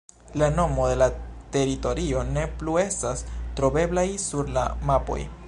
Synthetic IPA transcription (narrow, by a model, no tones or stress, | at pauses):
lano̞mo̞de̞late̞ɾito̞ɾio̞ne̞plue̞stastɾo̞be̞blajsuɾla̰mapo̞̰j